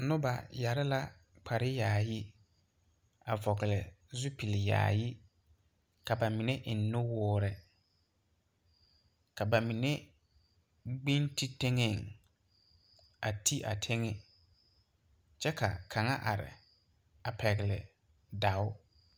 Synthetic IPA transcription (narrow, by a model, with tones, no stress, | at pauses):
nʊ˦ba̰˨ja˨ɾɪ˦la˦ | k͡pʰa˨ɾɪ˦jaː˨jɪ˦ | a̰˨vɔ˨ɣɪ˨lɪ˨zʊ˦pi˨lɪ˨ja̰ː˨jɪ˦ | ka˨ba˨mɪ˨nɛ˦ʔɪ˨nːʊ˦wʊː˦ɾɪ˨ | ka˨ba˨mɪ˨nɛ˦ | ɡ͡bi˦nti˦te˦ŋɛ˦˨ŋ | a˨tʰi˦ʔa̰˨tʰe˦ŋɛ˦ | t͡ʃɛ˦ka̰˨kʰa˨ŋa˦ʔa̰˨ɾɪ̰˨ | a˨pʰɛ˨ɣɪ˨lɪ̰˨ | da˨ʊ˦